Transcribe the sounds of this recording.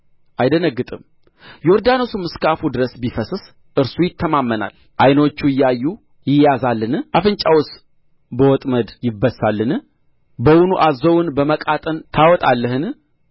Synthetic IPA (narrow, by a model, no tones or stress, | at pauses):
ʔajd̪ənəɡːɨt̪ʼɨm | jɛɔɾd̪ano̞sumɨskafud̪ɨɾəsbifəsɨs | ʔɨɾsujɪt̪ʰːəmamːəna̰l | ʔajno̞t͡ʃːuɪjːajːu | jɪjazalːɨnɨʔafɨnt͡ʃʼawʊs | bəwɔt̪ʼməd̪jɪbːəsalːɨnɨ | bəwʊnuʔazəwʊnbəməkʼat̪ʼənt̪ʰawɔt̪ʼalːəɦɨn